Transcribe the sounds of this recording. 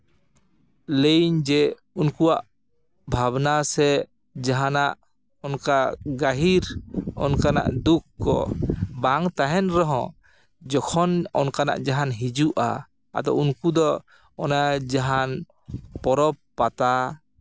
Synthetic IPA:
lejɲd͡ʒɛ | unkuaʔ | bʱabnasɛ | d͡ʒaɦanaʔ | ɔnkaɡaɦiɾɔ̰nkana̰ʔd̪ukːɔ̰baŋt̪aɦɛnɾɔɦɔ̰̃ | d͡ʒɔkʰɔnɔ̰nkana̰ʔd͡ʒaɦanɦid͡ʒuʔa̰ | a̰d̪ɔ̰unkud̪ɔː | nad͡ʒaɦan | pɔɾɔpːat̪a

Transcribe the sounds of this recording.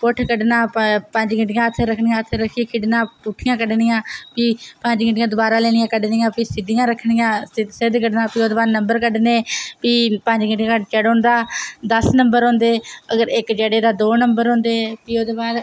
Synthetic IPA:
pʊʈʰkəɖnaːpəɲd͡ʒɡɪɳʈɪjãːət̪ʰːeːɾəkʰnɪjãːt̪ʰːeːɾəkʰːikʰɪɖnãːpuʈʰːɪjãːkəɖnɪjãːpiːpəɲd͡ʒɡɪɳʈjãːd̪ʊbaːɾaːleːɽɪjãːkəɖnɪjãːpiːsɪd̪ijãːɾəkʰɽ̃ɪjãːsɪd̪kəɖnãːpiːoːd̪eːbaːɾnəmbəɾkəɖneːpiːpəɲd͡ʒɡɪɳʈjãt͡ʃəɽõːnd̪aːd̪əsnəmbəɾõːnd̪eːəɡəɾɪkd͡ʒəːɽeːd̪aːd̪oːnəmbəɾɦõːnd̪eːpiːoːd̪eːbaːd̪

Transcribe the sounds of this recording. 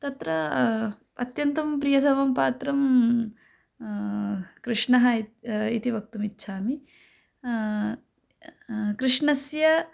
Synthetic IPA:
t̪ɐt̪ɾɐ | ɐt̪jɐnt̪ɐmpɾijɐsɐʋɐmpaːt̪ɾɐm | kɾɪʂɳɐɦɐit̪iʋɐk̚t̪umitːʃʰaːmi | kɾɪʂɳɐsjɐ

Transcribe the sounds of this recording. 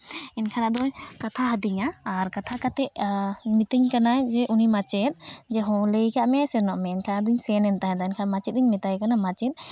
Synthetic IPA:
ɛnkʰaɾad̪ɔjkat̪ʰaɦəd̪iɲaːɾkat̪ʰakat̪ɛʔmit̪iɲkanajd͡ʒɛʔunimat͡ʃɛt̪̚d͡ʒɛɦɔ̃ləjkaʔmasɛnɔʔmɛɛnkʰanad̪uɲsɛnɛnt̪aɦɛd̪aɛnkʰamat͡ʃɛt̪̚diɲmit̪ajkanamat͡ʃɛt̪̚

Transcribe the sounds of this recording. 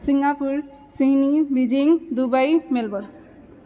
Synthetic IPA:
siŋɡapuɾ | siɦnibid͡ʒiŋd̪ubajmelbɔɾ

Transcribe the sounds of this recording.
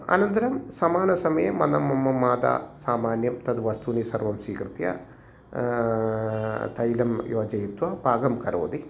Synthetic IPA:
ɐ̰nɐnt̪ɐɾɐmsɐmaːnɐsɐmɐjɐmːɐnɐmːɐmːɐmːaːd̪a̰ːsaːmaːnjɐmt̪ɐd̪ʋɐst̪unisɐɾʋɐmsiːkɾɨt̪jɐ̰ | t̪ɐjlɐmjoːd͡ʒɐjit̪ʋɐbʱaːɡɐmkɐɾo̰ːd̪i

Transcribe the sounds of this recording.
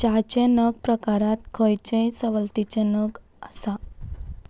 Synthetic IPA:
t͡ɕat͡ɕẽnəɡ̚pɾəkaɾãt̪̚kʰojt͡ɕẽsəʋəlt̪it͡ɕẽnəɡ | asa

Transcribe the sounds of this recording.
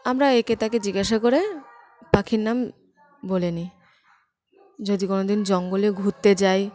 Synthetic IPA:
amɾaeket̪aked͡ʑiɡaʃakoɾe | pakʰiɾnam | boleni | d͡ʑod̪ikonod̪ind͡ʑɔŋɡoleɡʱut̪ːed͡ʑaj

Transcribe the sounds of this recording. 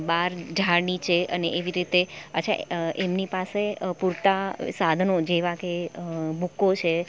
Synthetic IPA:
baɾd͡ʒʱaɾnit͡ʃʰeəneʔeʋiɾit̪eəa̰ʔemnipasepuɾt̪asad̪ʱnod͡ʒeʋakebukːot͡ʃʰe

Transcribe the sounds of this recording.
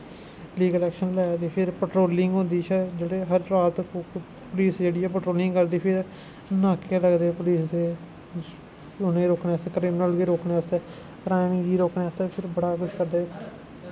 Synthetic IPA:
liːɡəlɛːkʃənlɛːt̪eːpʰɪɾpəʈɾoːlɪŋɡɦõːnd̪iːt͡ʃʰəd͡ʒeːɽeːɦəɾːaːt̪ | pʊliːsd͡ʒeːɽiːɛːpəʈɾoːlɪ̃ŋɡkəɾd̪iːpʰɪɾ | nãːkeːləɡd̪eːpʊliːsd̪eː | ʊnẽːɾoːkneːəst̪ːkɾiːmnəlʋiːɾoːkneːəst̪eː | pɾãːnĩːɡiːɾoːkneːəst̪eːpʰɪɾbəɽaːkʊt͡ʃkəɾd̪eː

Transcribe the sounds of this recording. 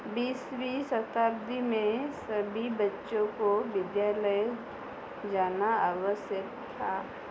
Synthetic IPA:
biːswisət̪aːɾd̪ʱimẽsɐbʱibɐtːʃõkoʋɪd̪jaːləj | d͡ʒaːnaaːʋəsjək | t̪ʰaː

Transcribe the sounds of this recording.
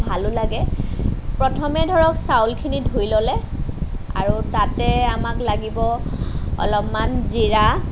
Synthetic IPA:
bʱalʊlaɡɛ | pɹɔtʰɔmɛdʱɔɹɔksawlkʰinidʱujlɔlɛ | a̰ɹutatɛamaklaɡibɔ | ɔ̰lɔpmanziɹa

